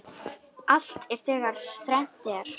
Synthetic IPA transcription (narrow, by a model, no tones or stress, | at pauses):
al̥t̪ɛɾ̥θʰɛːɣaɾ̥θɾɛn̥t̪ɛaɾ̥